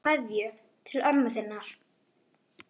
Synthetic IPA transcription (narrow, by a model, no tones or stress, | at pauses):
aðjʏ | t̪ʰɪlœɾmaθɪnːaɾ̥